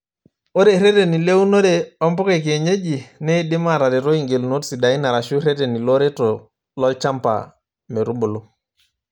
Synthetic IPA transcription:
o˦ɾe˨ɾe˦te˨ni˨le˦u˦no˦ɾe˨ɔ˦mbɔ˦ke˨k̬e˨ɲe˦d͡ʒi˨ne˦˨di˦ma˦˨ɾa˨ɾe˨ɾo˦i˨ŋɡe˨lno˦tsi˨da˨i˦na˨ɾa˨ʃu˦ɾe˦te˨ni˨lo˦ɾe˦tɔ˨ | lɔ˦t͡ʃa˦mpa̰˨ | me˨ɾu˦bu˨lu˦

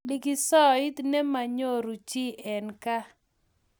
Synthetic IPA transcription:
li˨ki˨sɔ˦i˦t̪nɛ˦ma˨ɲo˦ɾu˨t͡ʃi˦ʔɛ˨nka˦

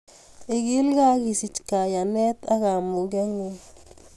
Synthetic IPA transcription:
i˨ɡi˦lɡa˦ɡi˨si˨t͡ʃka˨ja˨ne˦t̪a˦ɣa˨mu˨ɡe˦ŋu˨

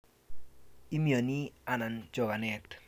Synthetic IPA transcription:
i˦mi˦o˨ni˦a˨na˨nd͡ʒɔ˨ɡa˨nɛ˨t

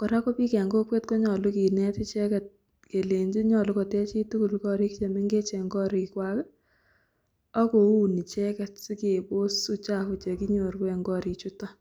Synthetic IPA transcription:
kɔ˨ɾa˦kɔ˦pi˦kɛ˨ŋɡo˦kwe˦tko˦ɲɔ˨lʊ˦ki˨nɛ˦ti˦t͡ʃɛ˦kɛ˨t̚ | ke˨le˨ɲd͡ʒi˦ɲɔ˨lʊ˦kɔ˨tɛ˦t͡ʃi˦tu˦ku˨lkɔ˦ɾi˦kt͡ʃe˨mɪ˦ŋɡe˦t͡ʃɛ˨ŋɡɔ˦ɾi˨kwa˦k | ɔ˦ko˨u˨ni˨t͡ʃɛ˦kɛ˨tsi˦ke˨bo˦su˦t͡ʃa˦ku˨t͡ʃe˨ki˦ɲo˨ɾkwɛ˨ŋɡɔ˦ɾi˨t͡ʃu˦tɔ˦

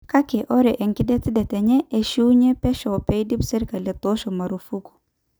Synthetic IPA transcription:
ka˦kɛ˨ʔɔ˦ɾɛ˨ʔɛ˨ŋkɪ˦dɛ˦tɪ˦dɛ˨tɛ˨ɲɛ˦ʔe˨ʃu˦ɲɛ˦pɛ˦ʃɔ˨pɛ˦i˦di˦bsɛ˦ɾka˨lɛ˨tɔ˦ʃɔ˨ma˨ɾu˨fu˦ku̥˨

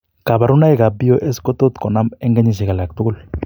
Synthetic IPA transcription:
ka˨ba˨ɾu˦na˦i˦ka˨bi˦o˦ʔɛ˦sko˦t̪o˦t̪kɔ˨na˦mɛ˦ŋɡa˦ɲi˨s̬ɛ˨ɡa˨la˨k̚t̪u˦ɡu˦l

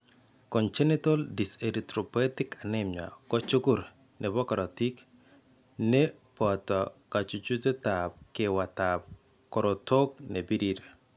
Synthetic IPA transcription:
kɔ˨nt͡ʃɛ˦ni˦to˦ldi˨se˨ɾi˨tɾo˨pɛ˦tɪ˦ka˨nɛ˦ma̰˨kɔ˦t͡ʃu˦ku˦ɾ | nʔɛ˨bɔ˦kɔ˨ɾɔ˨ti˦k | nɛ˦ | pɔ˨tɔ˨ka˨t͡ʃu˨t͡ʃu˦te˦ta˨p̚kɪ˦wa˨tap̚ | kɔ˨ɾɔ˨to˦k̚ne˨bi˦ɾi˦ɾ

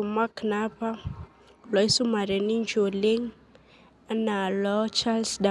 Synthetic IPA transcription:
u˨ma˦kna˦pa˦ | lɔ˨i˦su˦ma˨ɾɛ˨ni˦ɲd͡ʒo˨le˦ŋ | a˦na˨lɔ˦t͡ʃa˦lsda˨

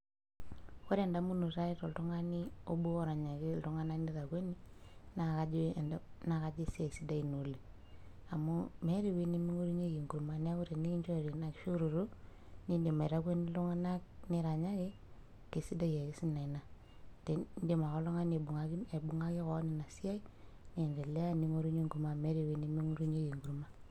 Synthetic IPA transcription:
ku˦ɾe˨nda˦mu˦nu˨ɾa˦i˦to˨ltu˦ŋa˦ni˦o˦bu˦o˦ɾa˨ɲa˨ki˦ltu˦ŋa˦na˦kni˦ɾa˨kwe˦ni˦na˨ka˦na˨ka˨d͡ʒe˦se˨si˦da˦i˨no˨li˨ | a˨mu˦me˦ɾi˨we˦ni˦mi˦ŋo˦ɾi˦ɲe˦ji˨ŋɡu˨ɾma˨n˦a˦ku˦ɾe˨ni˦ki˦ɲt͡ʃo˦˨ɾi˨na˨kʃu˦ɾu˨ɾu˦ | ni˦de˨ma˨ɾa˦ɡʷe˦ni˦lo˦ŋa˦na˦k̚ni˨ɾa˨ɲa˦ki˦ | ke˨si˦da˦je˨ki˦si˦na˨i˨na˨ | te˨n˦de˦ma˨ko˦lo˦ŋa˦ne˨bu˨ŋa˦ɡi˦e˨bu˨ŋa˦ki˦ko˦ni˨na˨si˦a˦i˦ | ni˦˨nde˨le˦a˦˨ni˦ŋo˦ɾu˦ɲe˦ŋɡu˨ɾma˦˨me˦ɾi˨we˦ni˦mi˦ŋo˦ɾu˦ɲe˦ji˨ŋɡu˨ɾma˦

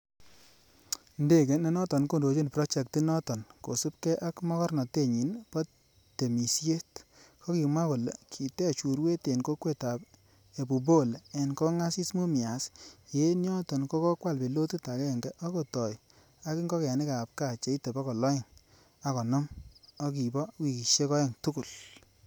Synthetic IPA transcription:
nde˦˨ke˨ne˦nɔ˦tɔ˨nko˦˨ndo˨t͡ʃo˦npɾɔ˦t͡ʃɛ˨kti˦nɔ˦tɔ˨nko˨su˦pkɛ˦ʔa˦kmɔ˦kɔ˦ɾnɔ˨te˦˨ɲi˨npɔ˦ | te˨mi˨sje˦tkʰɔ˦ki˨mwa˦ko˨le˨kʰi˨te˦t͡ʃu˨ɾwe˦te˨nko˦kwe˦ta˨p | e˨bu˨bo˦˨le˨nko˦ŋa˦si˦smu˦mi˨a˨˦sje˦njɔ˦tɔ˨nko˦kɔ˦kwa˦˨lpe˨lo˦tu˦ta˨kɛ˦˨ŋɡɛ˦ʔɔ˦ko˨tɔ˨j | a˦ki˦ŋɡɔ˦ka˨ni˦ka˨p̚ka˨t͡ʃe˨i˦te˨pɔ˦kɔ˨lɔ˦ɪ˦˨ŋ | a˨kɔ˨nɔ˦mɔ˦ki˨bɔ˦wi˨ki˨ʃe˦kɔ˦e˦ŋtu˦ku˨l

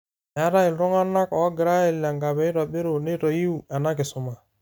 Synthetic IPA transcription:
n˨a˨˦ɾa˦ɪ˨lɾʊ˦ŋa˦na˦kɔ˨˦ɡɪ˨ɾa˦ɛ˦˨la˨ŋɡa˨bɛ˨˦ɪ˦ɾɔ˨be˦ɾo˨ne˦ɾɔ˨ji˦u˨a˨na˦kɪ˨sʊ˨ma˨

